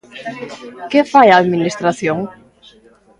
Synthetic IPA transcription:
kɪfajaːðminist̪ɾaθjoŋ

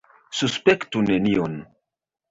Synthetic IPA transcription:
suspektunenion

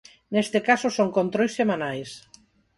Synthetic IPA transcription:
nest̪ekasosoŋkont̪ɾojsemanajs

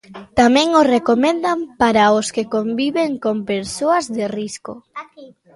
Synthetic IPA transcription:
t̪amɛ̃ŋorekomẽnd̪ampaɾaoskekombiβeŋkompeɾsoɐzðerisko̰

